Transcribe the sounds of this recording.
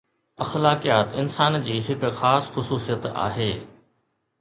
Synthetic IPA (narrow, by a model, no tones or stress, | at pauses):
ɐxlaːkijaːt̪ɪnsaːnd͡ʑiːɦɪkxaːsxʊsuːsijət̪a̰ːɦeː